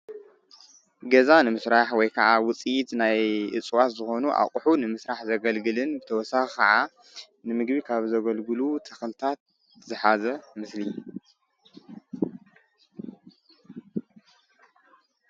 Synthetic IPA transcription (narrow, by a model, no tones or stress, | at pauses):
ɡɐzanɨmɨsɾaħwɔjkʰɐʕawʊt͡sʼijt̪najʔɨ̰t͡sʼwat̪zɨxo̞nuʔa̰kʼħunɨmɨsɾaħzɐɡɐlɡɨlɨnbɨt̪ʰɐwɔsaxikʰɐ̰ʕa | nɨmɨɡbikʰaβzɐɡɐlɡɨlut̪ʰɐxlɨt̪ʰat̪̚ | zɨħazɐmɨsli